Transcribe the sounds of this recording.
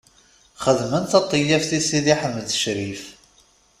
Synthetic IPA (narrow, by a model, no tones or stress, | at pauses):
χəðmənθɑt̪ˤːijæfθisiðiħəmːəðʃɾif